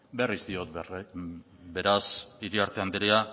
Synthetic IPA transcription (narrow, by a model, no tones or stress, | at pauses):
berizd̪io̞t̪ | be̞ɾasiɾiaɾt̪e̞and̪eɾea